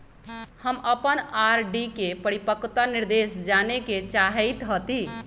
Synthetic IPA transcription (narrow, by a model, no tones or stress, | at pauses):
həməpənaɾɖikepəɾipəkt̪aniɾd̪esd͡ʒaneket͡ʃaɦəjt̪ɦət̪i